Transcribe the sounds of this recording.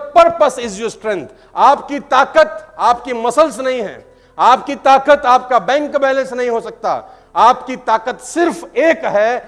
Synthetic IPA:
pɐɾpɐsɪsd͡ʒosʈɾɛ̃nt̪ | aːpkit̪aːkət̪aːpkimɐsəlsnɐɦĩɦɛ̰̃ː | aːpkit̪aːkət̪aːp̚kabɛ̃ːŋkbɛːlə̃nsnɐɦĩɦosɐk̚t̪a̰ː | aːpkit̪aːkət̪sɪɾfeːkɦɛː

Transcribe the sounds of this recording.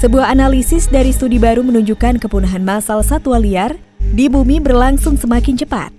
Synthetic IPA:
səbuahanalisɪsdaɾist̪udibaɾumənuɲd͡ʒukankəpunaɦanmasalsat̪ualiar | dibumibərlaŋsʊŋsəmakɪnt͡ʃəpa̰t̪̚

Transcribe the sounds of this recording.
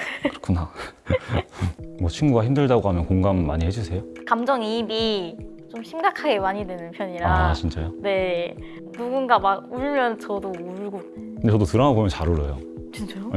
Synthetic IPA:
kɯɾʌkʰuna | mwʌt͡ɕʰinɡuɡaçimdɯɭdaɡoɦamjʌnkoŋɡamːaɲihe̞d͡ʑusʰe̞jokamd͡ʑʌŋibi | t͡ɕomɕʰimɡakʰaɡe̞maɲidwenɯnpʰjʌɲiɾaat͡ɕint͡ɕ͈ajone̞ | nuɡunɡamaɡuɭmjʌnt͡ɕʌdouɭɡo | kkɯndet͡ɕʌdotɯɾʌnabomjʌnt͡ɕaɾɯɾʌjo̰ | t͡ɕit͡ɕajo

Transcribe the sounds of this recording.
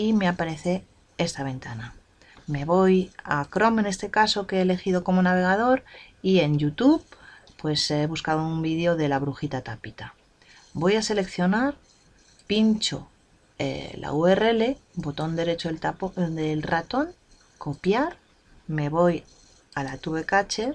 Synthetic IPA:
imeapaɾe̞θe | e̞st̪aβ̞e̞nt̪ana | me̞βo̞ja̰kɾo̞me̞ne̞st̪e̞kaso̞keːle̞xiðo̞ko̞mo̞naβ̞e̞ɣ̞að̞o̞ɾ | ie̞nʝut̪uβ | pwe̞seβuskaðoumbiðeo̞ðe̞laβ̞ɾuxit̪at̪apit̪a | bo̞jase̞le̞kθjo̞naɾ | pint͡ʃo̞̰ | ḛla̰ue̞reele̞bo̞t̪o̞nd̪e̞ɾe̞t͡ʃo̞elt̪apod̪elrat̪o̞ŋ | ko̞pjaɾ | me̞β̞o̞j | alat̪uβe̞kat͡ʃe̞ɾ

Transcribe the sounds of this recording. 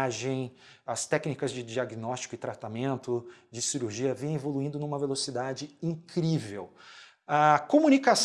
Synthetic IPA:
ʒẽj̃ | ɐst̪ɛknikɐzd͡ʒɪd͡ʒiaɡinɔst͡ʃi̥kʊɪt̪ɾat̪amẽnt̪ʊd͡ʒɪsiɾuɾʒiɐvẽj̃evoluĩd̪ʊnũmɐvelosid̪ad͡ʒɪĩkɾivḛw | akomunikas

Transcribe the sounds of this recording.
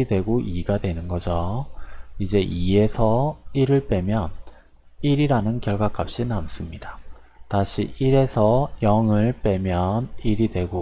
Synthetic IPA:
idwe̞ɡoʔiɡadwe̞nɯnɡʌd͡ʑo | id͡ʑe̞ʔie̞sʰʌiɾɯɭp͈e̞mjʌn | iɾiɾanɯnkjʌɭɡwak͈ap̚ɕ͈inams͈ɯmɲida | taɕʰḭʔiɾe̞sʰʌjʌŋɯɭp͈e̞mjʌniɾidwe̞ɡo

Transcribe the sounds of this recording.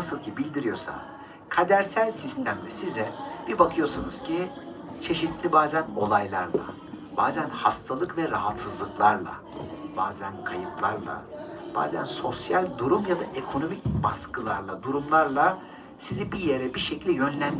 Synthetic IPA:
asɯlˠcʰibilʲd̪iɾijo̞sa̰ | kʰad̪æɾsælʲsist̪ʰæmlʲɛsizɛb̥ibakʰɯjo̞sunuz̥cʰi | t͡ʃʰe̞ʃit̪lʲibaːzæno̞lˠajlˠaɾlˠa̰ | b̥aːzænhast̪ʰalˠɯkvɛɾaɦat̪sɯzlˠɯklˠaɾlˠa̰ | b̥a̰ːzænkʰajɯplˠaɾlˠa̰b̥a̰ːzæ̰nso̞sjalʲd̪uɾumjad̪aʔekʰo̞no̞mic̚baskʰɯlˠaɾlˠad̪uɾumlˠaɾlˠa | sizibije̞ɾɛbiʃecilʲɛjø̞nlʲæn

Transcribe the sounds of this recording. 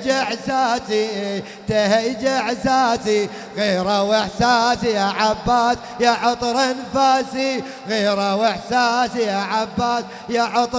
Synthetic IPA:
d͡ʒaħsaːsi | t̪ahajd͡ʒaħsaːsi | ɣeːɾawɪħsaːsijaʕabːaːs | jaʕʊt̪ˤɾanfaːsi | ɣeːɾawɪħsaːsijaːʕabːaːs | jaʕʊt̪ˤ

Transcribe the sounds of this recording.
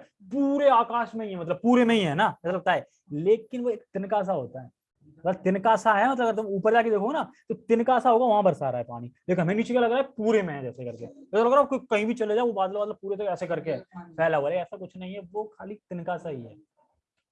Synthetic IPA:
puːɾeaːkaːʃmẽĩɦɛ̃mɐt̪ləb̚puːɾemẽɦĩɦɛ̃naɛːsalɐɡ̚t̪aɦɛː | leːkɪnʋoeːk̚t̪ɪnkaɛs̬aɦoːt̪aɦɛː | mɐt̪əbt̪ɪnkasaɦɛmɐt̪ləbɐɡəɾt̪ʊmuːpəɾd͡ʒaːked̪eːkʰoonat̪ot̪ɪnkaɛsaɦoːɡaʋɐɦãbɐɾsaɾaːɦɛpa̰ːñileːk̬ɪnɦmẽniːt͡ʃkjalɐɡɾaːɦɛpuːɾemẽɦɛ̃d͡ʒɛːsekɐɾkeɛːsalɐɡɾakokɐɦĩbʱit͡ʃɐled͡ʒaːeʋobaːd̪lamɐt̪lɐb̚puːɾet̪̬oɛːsekɐɾkeɦɛ̃ːfɛːlaʋəɾeɛːsakʊt͡ʃʰnɐɦĩɦɛʋokʰaːlit̪ɪnkasaɦiɦɛː

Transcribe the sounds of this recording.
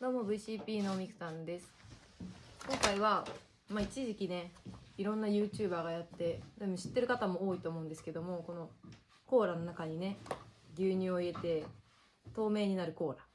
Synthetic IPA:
d̪omoːbɯ̟iɕiːpʲiːno̞ːmʲikɯ̟̥sãnd̪e̞sɨ̥ | kõ̞ŋkaiβa | mait͡ɕiʑikʲine̞iɾõ̞nːajɯ̟ːt͡ɕɨːbaːɡajat̪ːe̞d̪omoɕi̥t̪ːe̞ɾɯ̟kat̪amo̞oːit̪o̞ːmo̞ɯ̟̃nd̪e̞sɨ̥ke̞d̪o̞mo̞ko̞no̞ | ko̞ːɾano̞nakaɲ̟ine̞ɡʲɨːɲ̟ɨːoie̞t̪e̞ | t̪o̞ːme̞ːɲ̟inaɾɯ̟ko̞ːɾa

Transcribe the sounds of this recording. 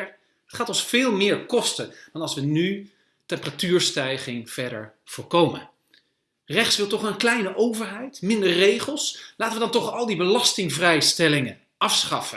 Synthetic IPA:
ɑtχaːtɔnsfɪːlˠmɪːɹkɔstəd̥ɑnɑlˠsʋəny | tɛmpəratyːɹstɛjχɪŋv̥ɛɹdə̰ɹ | v̥ʊːɹkowmə̰n | rɛχtsʋɪlˠtɔχənklɛjnəʔowvəɹɦɛjtmɪndəɹrejχəlˠslaːtəʋədɑntɔχɑlˠdibəlɑstɪŋvrɛjstɛlɪŋən | ɑfsχɑfə

